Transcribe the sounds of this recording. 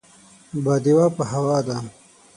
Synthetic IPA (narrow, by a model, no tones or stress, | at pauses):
bad̪iwapəɦɐwaːd̪a